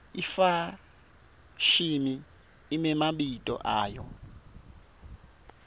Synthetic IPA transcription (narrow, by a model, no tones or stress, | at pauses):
ifa | ʃimiː | mɛmaɓitʼɔ̰ʔaːjɔ